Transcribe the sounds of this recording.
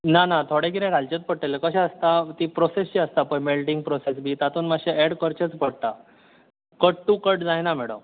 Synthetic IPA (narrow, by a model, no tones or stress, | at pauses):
nanat̪ʰoɽekiɾẽɾalt͡ɕet͡s̪̚pəɽʈelekəɕãəst̪at̪iːpɾosest͡ɕiəst̪apəjmelʈiŋɡ̚pɾosesbʱiːt̪at̪uːnmaɕẽeɽkəɾt͡ɕət͡spəɽt̪a | kəʈʈ̪uːkəʈd͡zajnam̤ɛɽo̰m